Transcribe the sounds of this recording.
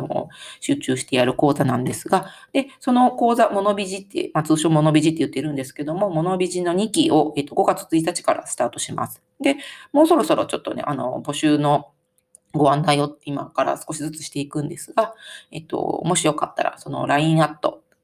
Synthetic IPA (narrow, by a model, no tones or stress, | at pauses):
o̰ɕɨːt͡ɕɨːɕi̥t̪e̞jaɾɯ̟ko̞ːzanãnd̪e̞sɨɡad̪̥e̞so̞no̞ko̞ːzamo̞no̞bʲiʑit̪ːe̞̰mat͡sɨːɕo̞ːmo̞no̞bʲiʑit̪ːe̞jɯ̟t̪ːeɾɯ̟̃nd̪e̞sɨ̥ke̞d̪o̞mo̞mo̞no̞bʲiʑino̞ɲ̟ikʲio̞e̞t̪ːo̞ɡo̞ɡat͡sɨ̥t͡sɨit̪̬at͡ɕi̥kaɾa̰sɨ̥t̪aːt̪o̞ɕima̰sɨ̥ | d̪e̞mo̞ːso̞ɾo̞soɾo̞̰t͡ɕo̞t̪ːo̞̰nḛʔano̞̰bo̞ɕɨːno̞ | ɡo̞ãnd̪aio̞t̪ːeima̰kaɾa̰sɨ̥ko̞ɕizɨt͡sɨ̥ɕi̥t̪e̞ikɯ̟̃nd̪e̞sɨɡae̞t̪ːo̰mo̞ɕijo̞ka̰t̪ːa̰ɾa̰so̞no̞̰ɾaĩɰ̃at̪ːo̞̰